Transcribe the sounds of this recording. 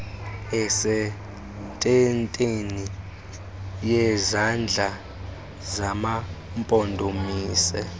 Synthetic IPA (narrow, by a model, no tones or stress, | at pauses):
ɛsɛ | tʼɛntʼeni | jɛzand͡ɮʱa | zama | mpʼɔndʱomiːsɛ